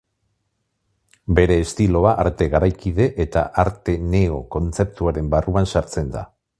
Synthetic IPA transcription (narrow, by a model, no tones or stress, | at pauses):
be̞ɾe̞ːst̪ilo̞aʔaɾt̪e̞ɣaɾajkiðe̞ʔet̪a̰ʔaɾt̪e̞ne̞o̞ko̞nt͡se̞p̚t̪uaɾe̞mbaruansaɾt͡se̞nd̪a̰